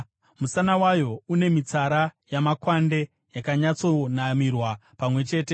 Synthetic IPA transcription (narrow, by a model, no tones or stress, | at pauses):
musanawajo̞une̞mit͡saɾajamakwande̞ | jakaɲat͡so̞namirwapamwe̞t͡ʃe̞ːte̞